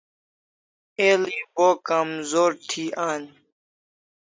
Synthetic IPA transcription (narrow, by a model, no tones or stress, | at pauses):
eːliboːkamzoːɾt̪ʰiːʔaːn